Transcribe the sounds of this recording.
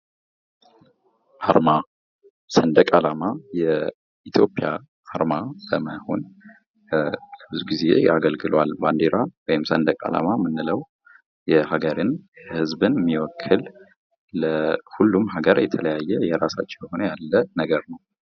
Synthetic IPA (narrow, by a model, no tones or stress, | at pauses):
ʔaɾma | sənd̪əkʼalamajɛ | it̪ʰjo̞pʼja | ʔaɾmabəməho̞̰n | ləbɨzuɡize̞̰aɡəlɡɨlwalband̪eɾawɔjɪmsənd̪əkʼa̰la̰mamɨnːɨləw | jɛhaɡəɾɨnjɛhɨzbɨnmːiwɔkʰːɨlː | əhulːumhaɡəɾjɛt̪ʰələjajːɛjɛɾasa̰t͡ʃːɛmjɛho̞nəjalːənəɡəɾnəw